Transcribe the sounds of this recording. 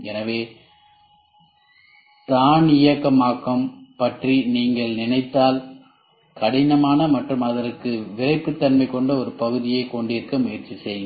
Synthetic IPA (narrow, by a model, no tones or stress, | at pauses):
ɛnɐʋeː | t̪aːnɪjɐkːɐmaːkːɐmpɐʈriniːŋɡɐɭnɪnɐɪt̪ːaːl | kɐɽɪnɐmaːnɐmɐʈrɯmɐðɐɾɯkːɯʋɪrɐɪpːɯt̪ːɐnmɐɪkːɔɳɖɐɔɾɯpɐɣɯðɪjeːkɔɳɖɪɾkɐmʊjɐɾt͡ʃːisɛjɯŋɡɐ